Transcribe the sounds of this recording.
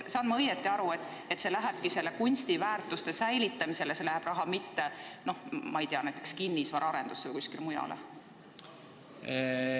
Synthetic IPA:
sɑːnmɑɤjet̪ːˑiɑɾue̞t̪ːˑ | e̞t̪se̞læɦeb̥̚kise̞lːe̞kunʲst̪ivæːrt̪ˑust̪e̞sæjlit̪ːˑɑmise̞lese̞læɦeb̥rɾɑɦɑmit̪ːe̞no̞hmɑejt̪eɑnæjt̪ːˑe̞kskinːisvɑɾɑɾe̞nd̪̥usːevɨjkuskilemujɑ̰lḛ

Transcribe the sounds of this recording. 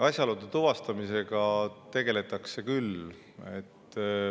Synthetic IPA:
ɑsʲjɑlud̪et̪uvɑst̪ɑmise̞ɡ̥ɑt̪e̞ɡe̞le̞t̪ːˑɑkse̞kyl | e̞t̪ː

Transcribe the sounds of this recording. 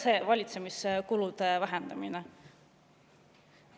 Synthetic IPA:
seːvɑlʲit̪se̞miskulud̪̥e̞væɦend̪̥ɑmine

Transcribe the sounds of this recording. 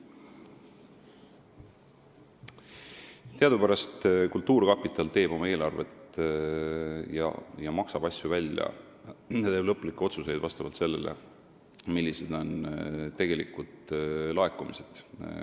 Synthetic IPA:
t̪eɑd̪upæɾɑst̪kult̪ːuːɾkɑpːˑit̪ːˑɑlt̪e̞ːb̥o̞mɑe̞ːlɑrve̞̰t̪ | jɑ̰jɑmɑksɑb̥ɑsʲjuvælʲːjɑ̰ | jɑt̪eːb̥lɤpːˑulikːˑeo̞t̪suse̞jd̪vɑst̪ɑvɑlt̪se̞lːe̞̰lḛ | milʲːise̞d̪̥o̞nt̪e̞ɡ̥e̞lḭkːˑud̪̥lɑe̞kːumise̞̥d̪̥

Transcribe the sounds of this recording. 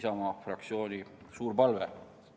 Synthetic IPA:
sɑmɑfrɑk̪̚sio̞ːnʲisuːɾpɑlvḛ

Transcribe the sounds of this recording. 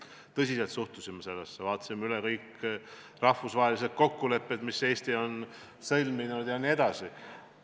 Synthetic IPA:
t̪ɤsiselt̪suht̪usimɑse̞lːesːevɑːt̪ːˑɑ̥simːeylɛkɤjk | rɑhvusvɑɦelised̪̥̚ko̞kːule̞pːed̪̥mise̞ːst̪io̞n | sɤlʲminud̪̥jɑnie̞d̪̥ɑsi

